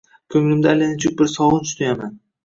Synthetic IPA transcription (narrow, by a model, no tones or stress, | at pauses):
kʲʰɵŋlɪmd̪alenɪt͡ʃʰʊk̚ʲbɪɾsɒwʊnst̪ʰajaman